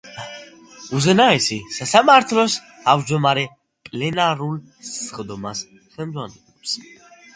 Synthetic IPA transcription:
uzɛnaɛsisasamaɾt̪ʰlɔst̪ʰavd͡ʒd̪ɔmaɾɛ | pʼlɛnaɾul | sχd̪ɔmas | χɛmd̪zʁanɛlɔps

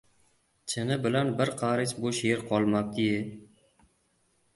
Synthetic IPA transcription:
t͡ʃʰɪnɪbɪlanbɪɾqʰɑɾɪt͡ʃbʊʃeɾqʰɒlˠmap̚t̪ʰɪje

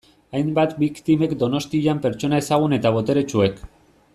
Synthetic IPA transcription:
ajmbat̪bikt̪ime̞kd̪o̞no̞st̪iʎampe̞ɾt͡ʃo̞nae̞saɣ̞une̞t̪aβ̞o̞t̪e̞ɾe̞t͡ʃue̞k

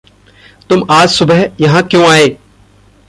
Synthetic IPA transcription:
t̪ʊmaːd͡ʒsʊbəɦjɐɦãkjõːaːeː

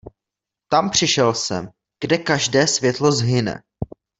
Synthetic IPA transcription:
t̪ampr̝̥ɪʃɛlsɛ̰m | ɡ̥dɛkaʒdɛːsvjɛt̪lo̞zɦɪnɛ̰

